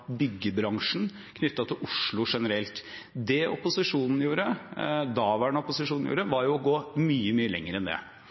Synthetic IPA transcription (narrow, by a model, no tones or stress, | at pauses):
bʏɡːəbɾɑŋʂn̩ | kʰnʏt̪ːɑt̪ʰɪlʔʊʂɭʊʂɛnəɾɛlt̪ | d̪ɛɔ̰pʊsɪʂuːnn̩juːɾəd̪ɑːʋæɛnɔpʊsɪʂuːnn̩jṵːɾəʋɑɾjʊɔɡoːmyːəmyːəlɛ̰ŋːəɾɛnd̪ɛ̰